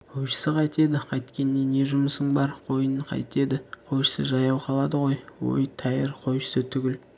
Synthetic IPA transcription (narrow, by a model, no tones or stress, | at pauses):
qʰojʃə̥səqʰɑjt̪e̞d̪ɪqʰɑjt̪kʲe̞nːe̞ne̞ʒʊməsəɴbɑɾqʰo̞jəɴqʰɑ̰jt̪e̞d̪ɪqʰo̞jʃə̥səʒɑjɑwqʰɑlˠɑd̪əʁo̞jwo̞̰jt̪ʰɑjɪɾqʰo̞jʃə̥sət̪ʰʏɡʲɪl